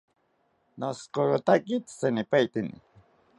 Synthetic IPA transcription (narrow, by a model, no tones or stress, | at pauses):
noskoɾʊt̪akɪt̪sanɪpajt̪ɪnɪ̰